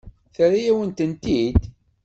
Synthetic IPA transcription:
θəɾajæwənt̪ənt̪id̪

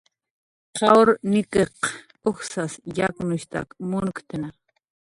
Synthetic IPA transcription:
qɑwɾnɪkeq | ʊxsasjaknʊʃt̪a̰kmʊnkt̪ana

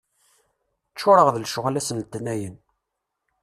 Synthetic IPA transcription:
t͡ʃːʊɾˤəʁðlʃʊʁælæsənt̪ːnːæjən

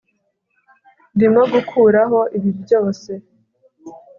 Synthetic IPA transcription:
ndimaɡukʰuɾaɦo̞ʔiβibjo̞ːse̞

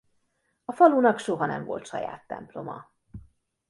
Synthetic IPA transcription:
ɒfɒluːnɒkʃo̞ɦɒnɛɱvo̞̰lt̪ʃɒja̰ːt̪ːɛ̰mplo̞mɒ

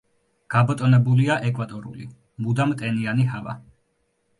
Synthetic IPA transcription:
ɡ̥abɔt̪ʼɔnɛbuliaʔɛkʼwvat̪ʼɔɾṵli | mud̪amt̪ʼɛnianiɦava̰

